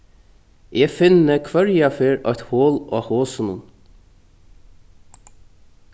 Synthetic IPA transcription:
ɛːfɪnːəkʰvœɹjafeːɹœ̰ht̪hoːlɔ̰ːhoːsənʊ̰n

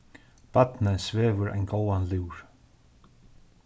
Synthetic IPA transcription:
pat̪nɪsvɛːvʏɾa̰jnɡoːwanliwɾ̥

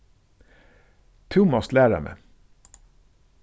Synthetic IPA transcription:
t̪ʰʊmɑslæːɹə̰mḛ

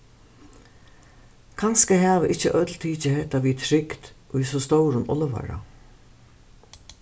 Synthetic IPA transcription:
kʰanskəɦɛːʋəʔɪt͡ʃːəʔœt̪lt̪ʰiːt͡ʃəhɛht̪aʋiːt̪ʰɾɪkt̪ʔʊjsɔst̪ɔwɾʊnɔləʋa̰ɾa̰

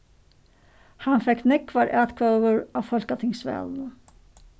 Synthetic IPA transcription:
hɑnfɛknɛkʰːʋɑːɾʔæːt̪kʰoːʋəɹɑfɔlkət̪ʰɪŋsʋɛ̰l

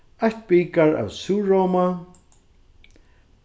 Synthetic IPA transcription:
aht̪̚biːkaɹa̰wsuːɹoːma

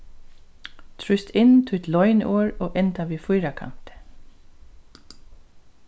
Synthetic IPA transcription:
t̪ʰɹʏst̪ʰɪnt̪ʰʊjt̪lɔʏnʔoːɹoːʔɛnt̪aʋiːfʊjɾakʰa̰m̥t̪

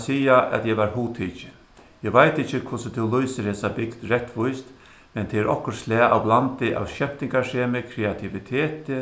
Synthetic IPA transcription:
siːaʔɛ̰t̪jɛʋaɾɦuːt̪ʰiːt͡ʃɪ | jɛʋajt̪ɪt͡ʃːɪkʰvʊsɪt̪ʰɛwlujsɪɾheːsabɪkd̪ɾɛht̪ʋʊjst̪ | mɛnt̪ʰɛɛɾʔɔ̰hkʊɾslɛːa̰wblant̪ɪʔa̰wʃɛpt̪ɪŋkaʂeːmɪkʰɾɛat̪ʰɪʋit̪ʰɛːt̪ɪ

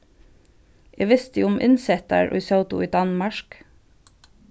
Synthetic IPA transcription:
ʔeːʋɪst̪əʊmʔɪ̰nsɛt̪ə̰ɹʔɔ̰ʏsɑʊt̪ʊ̰iːd̪ɑnmɑʃk

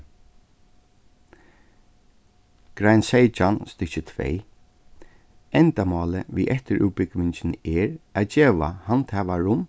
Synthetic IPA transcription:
ɡ̥ɾajnsejt͡ʃanst̪ʏt͡ʃət̪ʰvḛj | ɛnt̪amɔːləʋḭːʔɛht̪əɾʔṵːpɪkʋɪɲt͡ʃɪnɛɹæðt͡ʃeːʋa̰hant̪hɛːʋaɹʊm

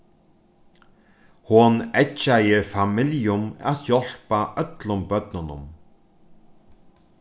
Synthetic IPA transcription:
hʊnɛt͡ʃajɪɹfamɪljʊma̰t̪jɔl̥paʔœt̪lʊmbœt̪̚nʊnʊ̰m

